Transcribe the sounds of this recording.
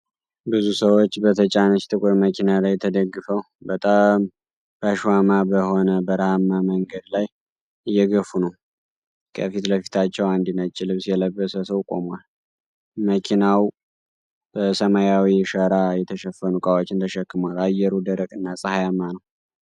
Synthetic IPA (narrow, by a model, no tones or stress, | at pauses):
bɨzusəwot͡ʃːbət̪ʰət͡ʃʼanət͡ʃt̪ʼɨkʷʼuɾməkʰinalajt̪ʰəd̪əɡːɨfəw | bət̪ʼam | b̥əaʃwamabəho̞nəbəɾahamːaməŋɡəd̪laj | ɨjːɛɡəfunəw | kʰəfit̪ləfi̥t̪ʰat͡ʃːɛwand̪inat͡ʃʼːɪlɨβsjɛləbːəsəsəwkʼomal | məkʰinaw | b̥əsəmajawiʃəɾajɛt̪ʰəʃəfːənukʼawot͡ʃːɪnt̪ʰəʃəkːɨmalajɛɾud̪əɾəkʼɨnːasʼəhajamːanəw